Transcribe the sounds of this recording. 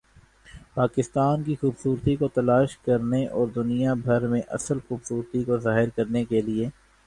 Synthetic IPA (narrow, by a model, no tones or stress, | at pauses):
paːkɪst̪aːnkixuːbsuːɾt̪ikot̪ɐlaːʃkɐɾneʔɔːɾd̪ʊnijabʱɐɾmẽʔɐ̰səlxuːbsuːɾt̪ikozaːɦɪɾkɐɾnekelie